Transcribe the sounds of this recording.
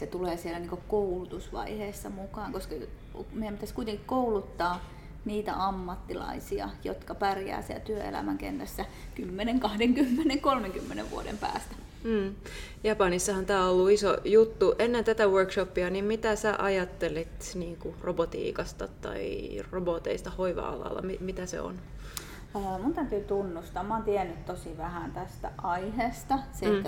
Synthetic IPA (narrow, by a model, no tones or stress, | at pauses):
set̪uleːsielæniːŋkokoulut̪usʋɑ̰iheːsːɑmukɑːŋkoskɑ | meiæmpit̪æskuit̪eŋkikkoulut̪ːɑː | niːt̪æ̰ʔɑmːɑt̪ːilɑ̰isiɑ̰jo̰t̪kɑpærjæ̰ːsiæ̰lt̪yøḛlæ̰mæŋkḛnt̪æsːækymːeneŋkɑhdeŋkymːeneŋkolmeŋkymːenḛʋʋṵodḛmpæ̰ːst̪æ̥ | m̩ː | jɑpɑnisːɑhɑnt̪æːolːuiso̰jut̪ːuʔenːent̪æt̪æwørkʃopːiɑnimmit̪æsæʔɑjɑt̪ːelit̪niːŋkurobot̪ḭːkɑst̪ɑt̪ɑ̰irobot̪eist̪ɑhoiʋɑ̰ɑ̰lɑ̰lːɑ̰mimit̪æsḛo̰n | əːmunt̪æt̪yːt̪unːust̪ɑmɑːnt̪iɛænːyt̪t̪osiʋæhæˑnt̪æst̪æʔɑiheːst̪ɑse